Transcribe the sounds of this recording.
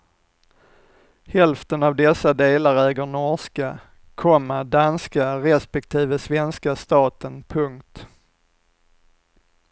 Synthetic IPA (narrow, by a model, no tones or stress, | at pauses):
hɛlft̪ənavd̪ɛsːad̪eːlaɾɛːɡəɳɔʂka | kʰɔmːəɖanskaɾɛspɛk̚t̪ʰiːvəsvɛnskast̪ɑːt̪ənpʰɵŋkt̪